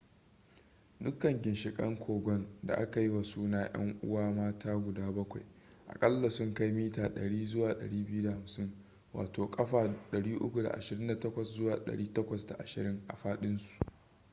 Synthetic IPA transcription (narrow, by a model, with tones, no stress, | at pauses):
dʊ˦kːɐ˨ŋɡʲɪ˨nʃɪ˨kʼɐ̰˦ŋkʷʰoː˨ɡʷɔ˦nda̰˨ʔa˦ka˨ji˦wa˨suː˦naː˦j̰ɐ̰˦ŋʔʊ̰˦waː˦maː˦taː˦ɡʷʊ˨daː˦bɐ˦kʷa˨j | ʔa̰˨kʼɐ˦lːa˨sʊ˦ŋka˦jmiː˦taː˨ɗɐ˨ɽiː˦zʊ˦waː˨ɗɐ̰˨ɽiː˦bɪ˦ju˦da˨ha˨msɪ˦ŋ | wa̰ː˨toː˨kʼɐ˦ɸaː˨ɗɐ˨ɽiː˦ʔʊ̰˦kʷu˨da̰˨ʔa̰˨ʃɪ˨ɾɪ˦nda˨tɐ˦kʷɔ˨szʊ˦waː˨ɗɐ̰˨ɽiː˦tɐ˦kʷɐ˨sda̰˨ʔa˨ʃɪ˨ɾɪ˦ŋʔa̰˨ɸaː˦ɗɪ˦nsu̥˨ʔ